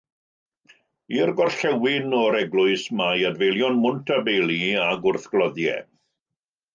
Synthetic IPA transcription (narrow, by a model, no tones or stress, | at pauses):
irɡɔrɬɛwɪnɔɾɛɡlˠʊɨsmajadvejlˠjɔnmʊntʰabelˠiaɡʊrθɡ̥lˠɔðjɛ̰